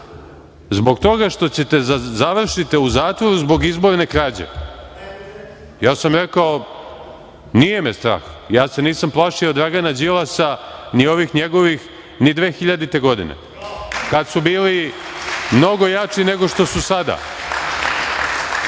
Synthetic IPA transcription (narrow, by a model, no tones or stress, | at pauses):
zbo̞ɡt̪o̞ɡaʃt̪o̞t͡ɕet̪ezaʋr̩ʃit̪iuzaːt̪ʋo̞ɾuzbo̞ɡizboɾne̞kɾaːd͡ʑḛ | jaːsamɾe̞kao | nijemest̪ɾa̰ːx | jaːse̞niːsamplˠaʂiod̪ɾaɡanad͡ʑilasanio̞ʋixɲeɡo̞ʋix | nid̪ʋeːxiʎad̪it̪e̞ɡo̞d̪ḭnḛ | kad̪subiːli | mno̞ɡo̞jat͡ʂine̞ɡo̞ʃt̪o̞susad̪a̰